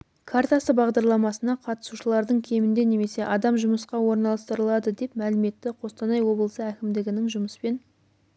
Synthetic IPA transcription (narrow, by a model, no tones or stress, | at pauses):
kʰaɾt̪asəbɑʁd̪ɑɾlˠɑmɑsənɑqʰɑt̪ə̥suʃəlˠɑɾd̪əɴkʲʰe̞mɪnd̪e̞ne̞me̞se̞ʔɑd̪ɑmʒʊməsqɑwo̞ɾnɑlˠɑst̪əɾəlˠɑd̪əd̪e̞pmælɪme̞t̪ːɪqʰo̞st̪ɑnɑjwo̞blˠəsəækʲɪmd̪ɪɡʲɪnɪŋʒʊməspe̞n